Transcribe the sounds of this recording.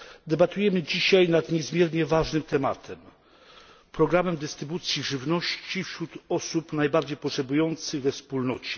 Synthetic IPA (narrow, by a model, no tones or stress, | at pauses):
d̪ɛbat̪ujɛmɘd͡ʑiɕajnat̪ɲɛzmʲjɛɾɲɛvaʐnɘmt̪ɛmat̪ʰɛm | pɾɔɡɾamɛmd̪ɛst̪ɾɘbut̪sʲjiʐɘvnɔɕt͡ɕifɕɾut̪ɔsupnajbaɾd͡ʑejpɔtʂɛbujɔnt̪sɘɣvɛfspulnɔt͡ɕɛ̥